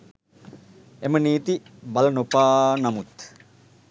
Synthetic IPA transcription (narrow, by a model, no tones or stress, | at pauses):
eməniːt̪ibalənopaːnamut̪